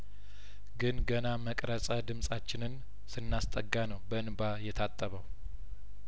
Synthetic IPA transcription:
ɡɨnɡənaməkʼɾəsʼəd̪ɨmsʼat͡ʃːɪnɨn | sɨnːast̪ʼəɡːanəwbəɨnbajɛt̪ʰat̪ʼːəβəw

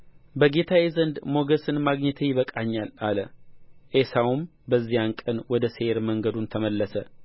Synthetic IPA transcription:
bəɡe̞t̪ʰawezənd̪mo̞ɡəsɨnmaɡɲət̪ʰəjɪβəkʼaɲːalaləʔesawum | bəzːijankʼənwɔd̪əseeɾməŋɡəd̪unt̪ʰəməlːəsə

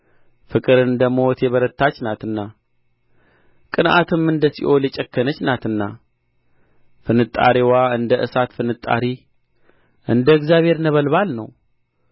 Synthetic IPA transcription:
fɨkʼɨɾɨnd̪əmot̪jɛβəɾət̪ːat͡ʃːnat̪ɨnːa | kʼɨnʔa̰t̪ʰɨmɨnd̪əsḭʔo̞lɛt͡ʃʼɛkːənət͡ʃːnat̪ɨnːa | fɨnɨt̪ʼːa̰ɾiwaɨnd̪əʔɨsat̪fɨnɨt̪ʼːa̰ɾi | ʔɨnd̪əɨɡzjaβhe̞ɾnəβəlβalnə̰w

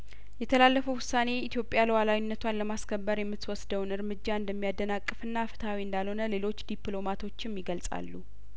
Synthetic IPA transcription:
jɛt̪ʰəlalːəfəwʊsːane̞it̪ijo̞pʼjaləwalawinːət̪ʰwanləmaskʰəbːəɾjɛmːɨt̪wɔsd̪əwnɨɾmɨd͡ʒːaɨnd̪əmːijad̪ːənakʼːɨfɨnːafɨ̥t̪ʰawiɨnd̪alho̞nəle̞lo̞t͡ʃːd̪iplo̞mat̪ʰo̞t͡ʃːɪmjɪɡəlsʼa̰lːu

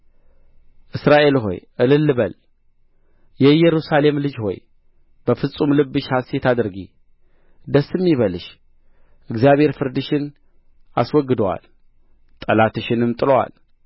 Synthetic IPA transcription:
ʔɨsɾaʔe̞lɦo̞̰jʔɨlɨlːɨβəl | jɛjɛɾusale̞mlɨd͡ʒho̞̰j | b̥əfɨsʼumlɨbːɨʃhaset̪ʰad̪ɨɾɡḭ | d̪əsːɨmːiβəlɨʃ | ʔɨɡzjaβhe̞ɾfɨɾd̪ɨʃɪn | a̰swɔɡːɨd̪əwa̰l | t̪ʼəlat̪ɨʃɪnɨmt̪ʼɨlowa̰l

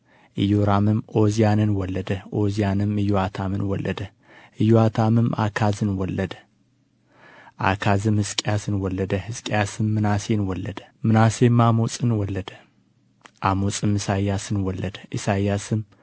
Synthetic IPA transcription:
ʔɨjoɾamɨmʔozijanɨnwɔlːəd̪əʔozijanɨmɨjoat̪ʰamɨnwɔlːʔəd̪ə | ʔɨjoat̪ʰamɨma̰kʰazɨnwɔlːəd̪ə | ʔa̰kʰazɨmhɨskʼjasɨnwɔlːəd̪əhɨskʼjasɨmːɨnasenwɔlːəd̪ə̥mɨnase̞mamot͡sʼɨnwɔlːəd̪ə | ʔamot͡sʼɨmɨsajːasɨnwɔlːəd̪əʔɨsajːasɨm

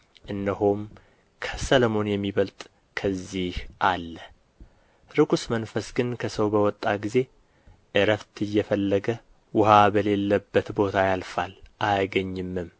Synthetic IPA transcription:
ʔɨnːəɦom | kʰəsəlomo̞njɛmːiβəlt̪ʼ | kʰəzːihʔalːə | ɾɨɡusmənfəsɡɨnkʰəsəwbəwɔt̪ʼːaɡize̞ | ʔɨɾəft̪ɨjːɛfəlːəɡə | wʊhabəle̞lːəbːət̪bo̞t̪ʰajalfalʔajɡəɲːɨmːɨm

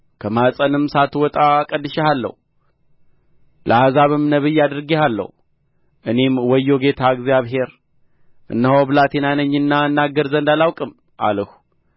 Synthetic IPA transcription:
kʰəmasʼənɨmsat̪wɔt̪ʼakʼədːɨʃɛhalːə̰hu | lʔəahazaβɨmnəβɨjːad̪ɾɡehalːə̰hu | ʔɨne̞mwɔjːo̞ɡe̞t̪ʰaɨɡzjaβɦe̞ɾ | ʔɨ̰nːəhobɨlat̪ʰenanəɲːɨnːaɨnːaɡəɾzənd̪alawkʼɨm | ʔa̰ləhu̥

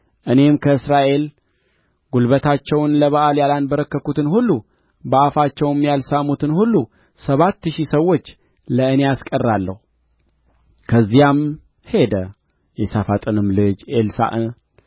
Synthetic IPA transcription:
ʔɨne̞mkʰəɨsɾaʔe̞l | ɡulβət̪ʰat͡ʃːɛwnləβaʔaljalanbəɾəkːəkut̪ɨnhulːu | bəʔafat͡ʃːɛwɪmjalsamut̪ʰɨnhulːu | səβat̪ːʃisəwːo̞t͡ʃː | ləɨne̞askʼərːalːə̰hu | kʰəzːijam | he̞d̪ə | jɛsafat̪ʼɨnɨmlɨd͡ʒʔelsa̰ʔɨ

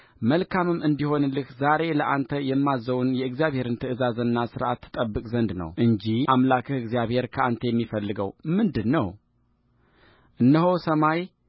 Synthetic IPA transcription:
məlkʰamɨmːʔɨnd̪iho̞nlɨkzaɾe̞ləʔant̪ʰəjɛmːazəwunjɛɨɡzijaβhe̞ɾɨnt̪ʰɨʔɨzazənːasɨɾʔat̪ʰːɨ̥t̪ʼəbːɨkʼzənd̪nə̰wʔɨɲd͡ʒiʔamlakʰɨhɨɡzijaβhe̞ɾkʰəʔant̪ʰəjɛmːifəlːɨɡə̰wmɨnd̪ɨnːəw | ʔɨnːəhosəmaj

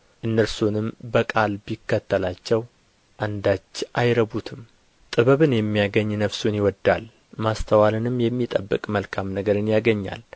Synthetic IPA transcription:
ʔɨnːəɾsunɨmbəkʼalbikːət̪ʰːəlat͡ʃːɛw | ʔand̪at͡ʃːʔajɾəβut̪ʰɨm | t̪ʼɨβəβɨnjɛmːijaɡəɲːnəfsunjɪwɔd̪ːal | mast̪ʰəwalɨnɨmːjɛmːit̪ʼəbːɨkʼməlkʰamnəɡəɾɨnjaɡəɲːa̰l

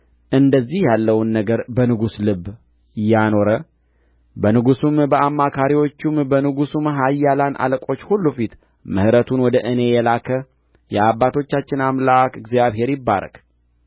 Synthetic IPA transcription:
ʔɨnd̪əzːihjalːəwnːəɡəɾbənɨɡuslɨbː | jːano̞ɾə | bənɨɡusumbəamːakʰaɾiwo̞t͡ʃːumbənɨɡusumɦajːalanʔa̰ləkʼo̞t͡ʃːhulːufit̪ | mɨhɨɾət̪ʰunwɔd̪əʔɨne̞jɛlakʰə | jɛabːat̪ʰo̞t͡ʃːat͡ʃːɪnamlakɨɡzjaβɦe̞ɾjɪbːa̰ɾə̰k

